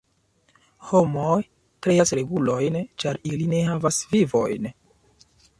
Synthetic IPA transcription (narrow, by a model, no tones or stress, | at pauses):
ho̞moj | kɾe̞jasɾe̞ɡulo̞jnt͡ʃaɾiline̞havasvivo̞̰jn